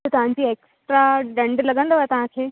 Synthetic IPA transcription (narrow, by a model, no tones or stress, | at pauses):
ət̪ãɲt͡ɕieksʈɾaɖə̃ɳɖləɡə̃nd̪əʋat̪ãakʰe